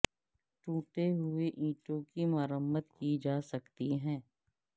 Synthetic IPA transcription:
ʈũːʈeɦʊeʔĩːʈõkimaːɾəmət̪kid͡ʒaːsəkt̪iɦɛ̃ː

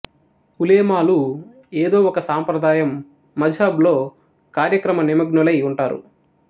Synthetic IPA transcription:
huleːmaːlu | eːd̪o̞ːɔkɐsaːmpɾɐd̪aːjɐmː | ɐd͡ʒʱaːblo̞ː | kaːɾjɐkɾɐmɐnimɐɡnulɐjuɳʈaːɾṵ

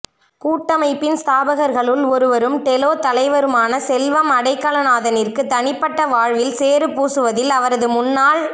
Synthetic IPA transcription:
kuːʈːɐmɐɪpːɪnst̪aːbɐɣɐɾɣɐɭɯlɔɾɯʋɐɾɯmʈ̪ɛloːt̪ɐlɐɪʋɐɾɯmaːnɐsɛlʋɐmɐɽɐɪkːɐlɐnaːðɐnɪrkɯt̪ɐɳɪpːɐʈːɐʋaːɻʋɪlseːɾɯpuːsɯʋɐðɪlɐʋɐɾɐðɯmʊnːaːl

